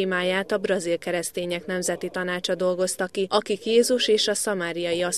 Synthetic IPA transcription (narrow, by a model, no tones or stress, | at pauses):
maːjaːt̪ɒbrɒzilkɛɾɛst̪eːɲɛknɛmzɛt̪it̪ɒnaːt͡ʃɒd̪o̞lɡo̞st̪ɒkːiɒkikjeːzuʃeːʃɒsɒmaːɾijɒjiɒs